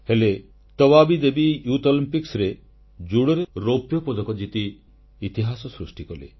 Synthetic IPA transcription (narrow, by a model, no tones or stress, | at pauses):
hele | t̪ɔbabid̪ebijut̪ɔlimpiksɾe | d͡ʒuɽɔɾeɾopjɔpɔd̪ʱɔkɔd͡ʒit̪iː | t̪iɦasɔsɾusʈikɔlḛ